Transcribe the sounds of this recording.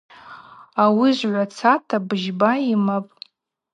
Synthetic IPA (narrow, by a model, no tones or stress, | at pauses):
awiʒʷʕʷat͡sʰatʰabɨʒbaimapʼ